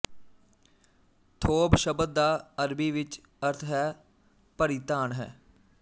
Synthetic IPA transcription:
t̪ʰoːbʃəbəd̪̚d̪aːəɾbiːʋɪt͡ʃ | əɾt̪ʰɦɛː | pəɾit̪aːnɦɛ̰ː

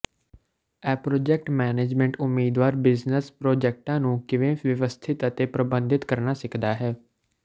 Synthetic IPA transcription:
ɛːpɾoːd͡ʒɛk̚ʈmɛːneːd͡ʒmɛ̃ɳʈʊmːiːd̪ʋaːɾbɪznəspɾoːd͡ʒɛːk̚ʈãːnũːkɪʋẽːʋəʋəst̪ʰɪt̪ət̪eːpɾəbənd̪ɪt̪kəɾnaːsɪkʰd̪aːɦɛː

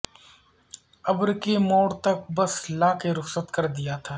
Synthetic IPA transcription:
ɐbɾkemoːɽt̪ɐk̚bɐslaːkeɾʊxsət̪kɐɾd̪ijat̪ʰaː

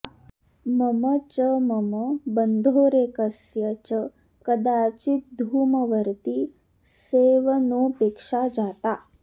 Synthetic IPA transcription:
məmət͡ʃəməməbənd̪ʱoːɾekəsjət͡ʃə | kəd̪aːt͡ʃit̪̚d̪ʱuːməʋəɾt̪i | seːʋnopeːkʂad͡ʒaːt̪a

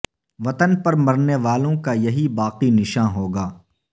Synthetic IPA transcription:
ʋɐt̪ənpɐɾmɐɾneʋaːlõkajɐɦibaːqinɪʃãːɦoːɡaː

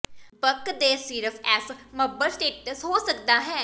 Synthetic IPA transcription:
bəkd̪eːsiːɾəfʰɛːsməbəɾsʈeːʈəsɦoːsəkd̪aːɦɛ̃ː

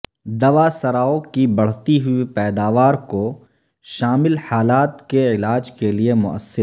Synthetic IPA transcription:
d̪ɐʋasɐɾaːokibɐɽ̤t̪iɦʊipɛːd̪aːʋaːɾko | ʃaːmɪlħaːlaːt̪keɪlaːd͡ʒkeliemʊ̰ʔə̰sːɪɾ

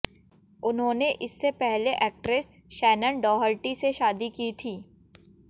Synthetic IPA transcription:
ʊnɦõːneʔɪsːepɛɦleʔɛːk̚ʈɾes | ʃɛːnənɖɔːɦəlʈiseʃaːd̪ikiːt̪ʰiː

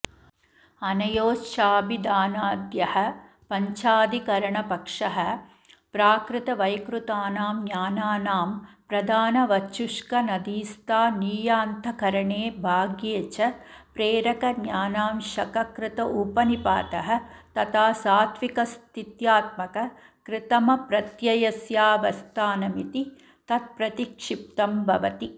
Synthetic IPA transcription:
ɐnɐjoːsʃaːbid̪aːnaːd̪jɐhɐ̆ | pɐɲt͡ʃaːd̪ikɐɾɐɳɐpɐkʂɐɦɐ̆ | pɾaːkɾɪt̪ɐʋɐjkɾut̪aːnaːmnjaːnaːnaːmpɾɐd̪ʱaːnɐʋɐt͡ʃːuʂkɐnɐd̪iːst̪aːniːjaːnt̪ʰɐkɐɾɐɳeːbʱaːɡjeːt͡ʃɐpɾeːɾɐkɐnjaːnaːmʃɐkɐkɾɪt̪ɐʔupɐnipa̰ːt̪ɐɦɐt̪ɐt̪ʰaːsaːt̪ʋikɐst̪ʰit̪jaːt̪̚mɐkɐ | kɾɪt̪ɐmɐpɾɐt̪jɐjɐsjaːʋɐst̪ʰaːnɐmit̪i | t̪ɐt̪̚pɾɐt̪ikʂip̚t̪ɐmbʱɐʋɐt̪i

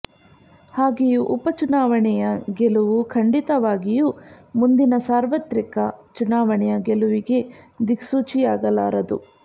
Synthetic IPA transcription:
haːɡijuʔupɐt͡ʃunaːʋɐɳɛjɐɡeluʋukʰɐɳɖit̪ɐʋaːɡijumund̪inɐsaːɾʋɐt̪ɾikɐt͡ʃunaːʋɐɳɛjɐɡeluʋiɡe̞d̪iksuːt͡ʃijaːɡɐla̰ːɾɐd̪ṵ

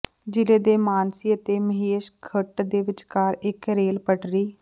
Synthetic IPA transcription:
d͡ʒɪleːd̪eːmaːnsiːət̪eːməɦeːʃkʰəʈd̪eːʋɪt͡ʃkaːɾɪkɾeːlpəʈɾiː

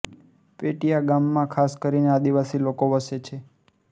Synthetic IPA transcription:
peʈijaɡamːãkʰaskəɾinead̪iʋasilokoʋəset͡ʃʰe

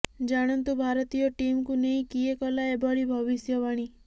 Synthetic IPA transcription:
d͡ʒaɽ̃ɔnt̪ubʱaɾɔt̪ijɔʈimkunej̃kiekɔlaebɔɭibʱɔβisjɔʋaɽ̃i

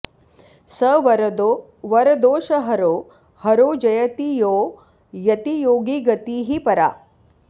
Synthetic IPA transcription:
səʋɾd̪o | ʋɐɾɐd̪oːʃɐɦɐɾoː | hɐɾoːd͡ʒɐjɐt̪ijoː | jɐt̪ijoːɡiɡɐt̪iːɦipɐɾa̰

